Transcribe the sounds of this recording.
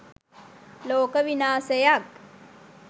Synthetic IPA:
loːkɐʋinaːsɐjak̚

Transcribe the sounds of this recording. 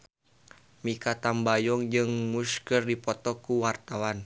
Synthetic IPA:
mikat̪ambajɔŋd͡ʒɨŋmuskərdipɔt̪ɔkuwart̪awan

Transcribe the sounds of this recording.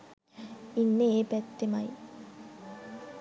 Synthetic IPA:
inːeeːpæt̪ːemaj

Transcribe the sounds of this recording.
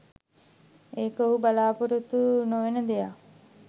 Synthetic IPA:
eːkəoɦubalaːpuɾut̪unoʋenəd̪eja̰

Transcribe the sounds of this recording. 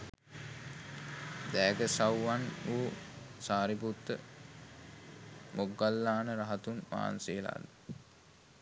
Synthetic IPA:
d̪æːɡəsawːanuːsaːɾiput̪ːə̰ | moɡːalːaːnəɾaɦat̪unʋa̰ːnseːla̰ːd̪ə

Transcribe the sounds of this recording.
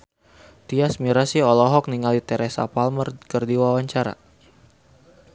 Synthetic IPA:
t̪iasmiɾasiɔlɔɦɔk̚niŋalit̪ɛɾɛsa̰palmərkərdiwawaɲt͡ʃaɾa̰

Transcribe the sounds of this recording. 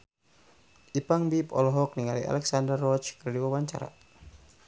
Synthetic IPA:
ʔipaŋbipɔ̰lɔɦɔk̚niŋalia̰lɛksandərːɔt͡ʃkərdiwawaɲt͡ʃa̰ɾa̰

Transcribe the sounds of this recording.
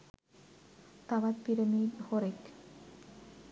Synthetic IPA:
t̪abat̪piɾemihoɾek

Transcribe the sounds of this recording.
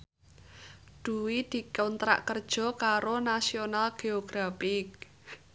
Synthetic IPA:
d̪̥ṳwid̪̥i̤kɔnt̪ɾa̰ʔkərd̥ʒ̥ɔ̤kaɾonasionalɡ̥eoɡ̥ɾafɪk

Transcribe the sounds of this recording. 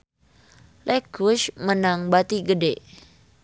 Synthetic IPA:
lʔɛkuʃmənaŋbat̪iɡədɛʔ

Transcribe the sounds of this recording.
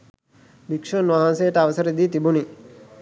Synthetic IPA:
bikʂonʋaɦansejəʈəaʋəsəɾed̪iːt̪ibuni

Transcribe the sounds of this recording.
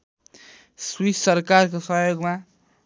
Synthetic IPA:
swisːʌrkarkosʌɦjoɡma

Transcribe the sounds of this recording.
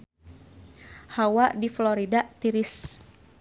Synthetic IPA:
hawadifloɾidat̪iɾɪs

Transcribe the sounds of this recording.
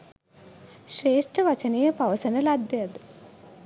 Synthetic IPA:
ʃɾeːʂʈəʋɐt͡ʃɐnejɐpaʋɐsɐnɐlad̪ːejɐd̪

